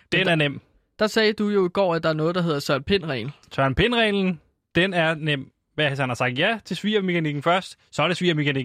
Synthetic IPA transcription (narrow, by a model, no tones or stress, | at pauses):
d̥enæɐnem̰ | d̥ɑ̈sɛːd̥ujo̝iɡ̥ɒ̰ːæd̥ɑ̈æɐnɔ̽ːð̞̩ˠd̥ɑ̈ɦe̝ð̞ˠɐsɶɐnpʰe̝nʁɛ̰nl̩sɶɐnpʰe̝nʁɛːln̩ | d̥enæɐnem̰ | ʋæɐesænhɑ̈sɑ̈ɡ̥̚d̥jæt͡sʰe̝lsʋḭːɐme̝kʰæniɡ̥n̩fɶɐsd̥ | sɒ̽ɾ̥e̝sʋḭːɐme̝kʰæniɡ̥n̩